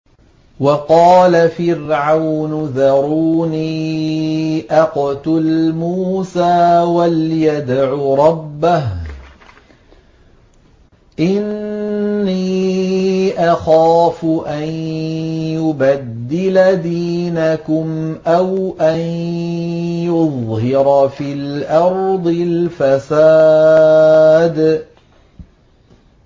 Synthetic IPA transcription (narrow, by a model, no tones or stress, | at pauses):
wɑqɑːlafɪɾʕawnʊðɑɾˤuːniː | ʔɑqt̪ʊlmuːsaːwaljad̪ʕʊɾˤɑbːah | ʔɪnː | iː | ʔaxaːfʊʔan | jʊbad̪ːɪlad̪iːnakʊmʔawʔan | jʊðˤhɪɾfiːlʔɑɾˤd̪ˤɪlfasaː | d̪